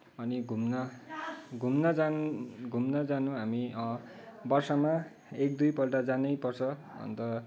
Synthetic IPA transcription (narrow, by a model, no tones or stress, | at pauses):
ʌniɡʱumnʌ | ɡʱumnʌd͡zanɡʱumnʌd͡zanũɦamiʌ | bʌrsʌma | ek̚d̪ujpʌlʈad͡zanʌjpʌrt͡sʰʌ | ʌ̰nt̪ʌ